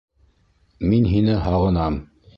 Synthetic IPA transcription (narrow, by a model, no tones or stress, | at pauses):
minɦinɘhɑʁɤ̆nɑm